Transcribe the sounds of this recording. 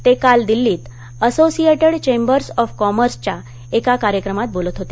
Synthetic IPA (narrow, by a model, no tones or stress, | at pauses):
t̪ekald̪ilːiːt̪ | əsosieʈəɽt͡ɕẽmbəɾsɔfkɔməɾst͡ɕa | ekakaɾjəkɾəmat̪̚bolət̪ɦot̪e